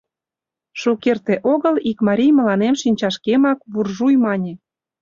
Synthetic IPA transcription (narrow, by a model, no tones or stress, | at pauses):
ʃukert̪eʔoɣəlikmɑɾʲijmə̆lɑnemʃinʲt͡ɕɑʃkemɑk̚βurʒujmɑnʲe